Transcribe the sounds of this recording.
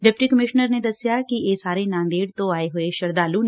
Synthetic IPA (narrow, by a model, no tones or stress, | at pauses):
ɖɪp̚ʈikɐmɪʃnəɾned̪ɐsjakieːsaːɾenãːnd̪eːɽt̪oaːeɦoeʃɐɾd̪aːlun